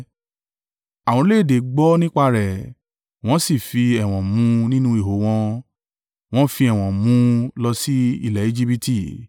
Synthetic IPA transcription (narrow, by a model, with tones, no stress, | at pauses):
a˨wɔ̃˧˦le˦˨de˨˦ɡ͡bɔ˦nĩ˦k͡pa˧ɾɛ˨ | w̃ɔ̃˨˦si˦˨fi˧ɛ˨w̃ɔ̃˨mũ˨˧nĩ˦nũ˦i˦˨ɦo˨˦w̃ɔ̃˧ | w̃ɔ̃˦fi˧ɛ˨w̃ɔ̃˨mũ˧˦lɔ˧si˦ḭ˦˨lɛ˨i˦d͡ʒi˦pi˦ti˦˨